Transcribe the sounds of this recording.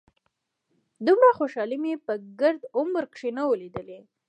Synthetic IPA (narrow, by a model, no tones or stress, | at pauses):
d̪umɽaxoʃɑlimepəɡəɾd̪ʊməɾkʂinawəled̪əle